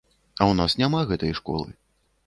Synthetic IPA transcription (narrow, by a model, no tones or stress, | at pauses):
ɐwnasnʲamaɣɛt̪ɐjʂkɔ̰lˠɨ̰